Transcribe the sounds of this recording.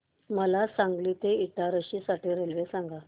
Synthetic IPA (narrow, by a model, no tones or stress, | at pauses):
məlasãŋɡlit̪eit̪aɾəɕisaʈiːɾelʋesãŋɡa